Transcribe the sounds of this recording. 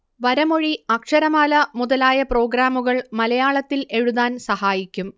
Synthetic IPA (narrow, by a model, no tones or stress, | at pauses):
ʋɐɾɐmo̞ɻiɐkʂɐɾɐmaːlɐmuðɐlaːjɐpro̞ːɡɾaːmuɣɐɭmɐlɐjaːɭɐt̪ːile̞ɻuðaːnsɐhaːjikʲːum